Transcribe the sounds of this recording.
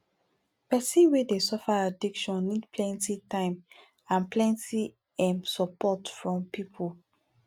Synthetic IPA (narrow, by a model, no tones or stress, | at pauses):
pɛsĩnwedesɔfaadikʃɔ̃nːidpʰlɛ̃ntitãɪ̃m | ãnplɛ̃ntʰi | ɛ̃msɔpɔtfɹɔ̃mpipʰol